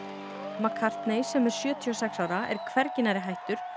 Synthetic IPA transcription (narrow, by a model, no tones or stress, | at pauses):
makʰaɾ̥t̪nejsɛmɛɾ̥sjœːt̪ʰiɔsɛksawɾaɛ̰ɾkʰvɛɾcɪnaɾɪɦajht̪ʏɾ̥